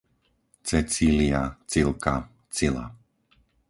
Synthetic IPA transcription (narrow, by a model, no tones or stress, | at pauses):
t͡sɛt͡siliat͡silˠka | t͡sila̰